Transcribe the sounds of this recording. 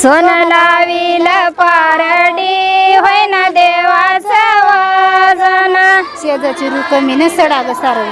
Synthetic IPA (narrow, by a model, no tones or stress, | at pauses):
sonəlaʋiləpaɾəɽiɦojnad̪eʋat͡səʋad͡zanat͡ɕiəd͡zat͡ɕiɾuk̪əminəsəɽaɡəsaɾə